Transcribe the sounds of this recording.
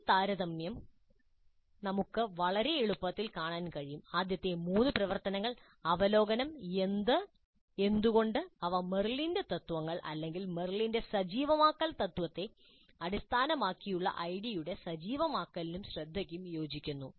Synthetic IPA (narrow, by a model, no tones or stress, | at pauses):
t̪aːɾɐðɐmjɐm | nɐmukːɨʋɐɭɐɾe̞eɭupːɐt̪ːilkaːɳaːnkɐɻijumaːd̪jɐt̪ːe̞muːnːɨprɐʋɐrt̪ɐnɐŋːɐɭ | ɐʋɐlo̞ːɡɐnɐme̞nd̪ɨ | e̞nd̪uɣo̞ɳɖɨɐʋɐme̞rlindet̪ɐt̪ːuʋɐŋːɐɭʔɐ̰lːe̞ŋɡilme̞rlinde̞sɐd͡ʑiːʋɐmaːkːɐlt̪ɐt̪ːʋɐt̪ːe̞ | ɐɾist̪ʰaːnɐmaːkːijuɭːɐ̰ʔɐjɽijuɽe̞sɐd͡ʑiːʋɐmaːkːɐlinumɕrɐd̪ʱːɐkʲːumjo̞ːd͡ʑikʲːunːu